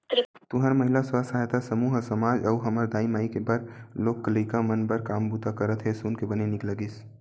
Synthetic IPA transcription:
t̪ɾt̪ʊɦəɾməɦilasasaɦet̪asəmuːɦsəmaːd͡ʒəuɦəməɾd̪aːimaːikebəɾloːkːələɪkamənbəɾkaːmbut̪akəɾət̪ɦesunkebənenɪkləɡis

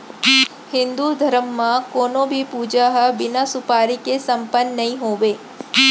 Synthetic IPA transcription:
hɪ̃nd̪ud̪ʱɐɾəmːãkoːnõbʱipuːd͡ʒaɦəbɪnasʊpaːɾikesɐmpənːɐɦĩɦoːʋeː

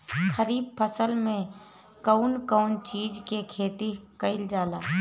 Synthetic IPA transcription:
xəɾiːb̚pʰəsəlmẽ | kəʊnkəʊnt͡ʃiːd͡ʒkekʰeːt̪ikəɪld͡ʒaːlaː

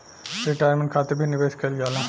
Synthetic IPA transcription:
ɾɪʈaːjɾmə̃ɳʈkʰaːt̪eɾbʱinɪʋeːskɐlɡaːlãː

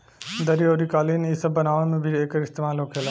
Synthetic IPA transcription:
d̪əɾioːɾikaːlinisəbːənaːʋʊnmẽbʱieːkəɾɪst̪eːmaːlɦoːkʰela

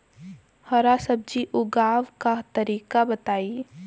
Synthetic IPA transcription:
hɐɾasɐb̚d͡ʒiʔʊɡaːʋkat̪ɐɾiːkabɐt̪aːiː

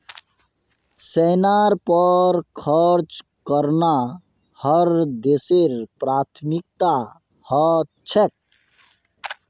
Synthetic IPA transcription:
sɛnaɾpəɾkʰəɾt͡ʃ | kəɾna | həɾd̪eseɾpɾat̪ʰmik̚t̪a | hɔ | t͡ʃʰɛk̚

